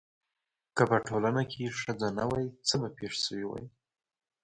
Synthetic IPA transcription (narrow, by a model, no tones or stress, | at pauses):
kəpəʈʰolanakʰeʂəd͡zanawajit͡səbapeʂsəwiwa̰j